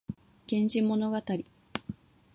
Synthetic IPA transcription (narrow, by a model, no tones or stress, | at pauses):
ɡ̥ẽ̞ɲd͡ʑimo̞no̞ɡat̪aɾʲi